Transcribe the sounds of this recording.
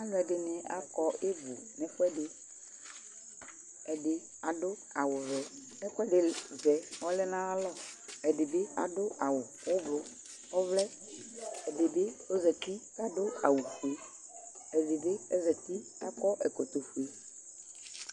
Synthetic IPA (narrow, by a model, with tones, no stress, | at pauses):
a˦lʊ˦ɛ˨dɪ˨nɪ̃˨a̰˦kɔ˦e˦bu˨nɛ̃˨fʊ˦ɛ˦dɪ˨ | ɛ˨ɖɪ˨ | a˨ɖʊ˦a˨wʊ˨vɛ˨ | ɛ˦kɔ˦ɛ˦ɖɪ˨zɛ˨ɔ˦lɛ˦nã˦a˦lɔ˦ɛ˨dɪ˨bɪ˦a̰˨dʊ˦ʔa˨wʊ˨ | wʊ˦blʊ˨ | ɔ˦vlɛ˦ | ɛ˨dɪ˨bɪ˦o˦zɛ˨t̪i˦ka˦dʊ˦a̰˨wu˨fu˨e˦ | ɛ˨dɪ˨bɪ˦ɛ˦zɛ˨t̪i˦a˦kɔ˦ʔɛ˨ko˨t̪o˨fu˨e˦